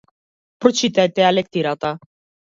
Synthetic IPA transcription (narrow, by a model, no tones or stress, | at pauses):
pɾɔt͡ʃit̪ɛjt̪ɛalɛk̚t̪iɾat̪a